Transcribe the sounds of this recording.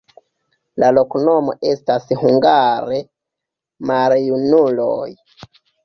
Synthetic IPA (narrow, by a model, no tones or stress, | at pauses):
lalo̞kno̞mo̞̰ʔe̞stashuŋɡaɾe | maljunulo̞̰j